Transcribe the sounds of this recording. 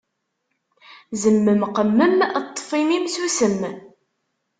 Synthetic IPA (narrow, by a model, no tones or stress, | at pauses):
zəmːəmqəmːəmt̪ˤːə̥fimimsusəmː